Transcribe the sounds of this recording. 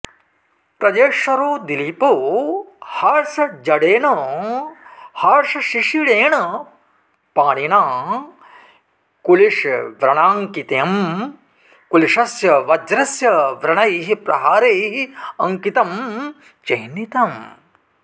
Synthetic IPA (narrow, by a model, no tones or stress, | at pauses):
pɾɐd͡ʒeːʂɐɾoːd̪ilipoː | haːɾʃɐd͡ʒɐɽeːɳoː | haːɾʃɐʃiʂiɽeːɳɐ | paːɳiɳaː | kuliʂʋɾɐɳaːŋkit̪eɐm | kuliʂɐsjɐʋɐd͡ʒɾɐsjɐʋɾɐɳɐjɦipɾɐ̰ɦaːɾɐjɦiɐ̰ŋkit̪ɐm | t͡ʃɐɦnit̪ɐm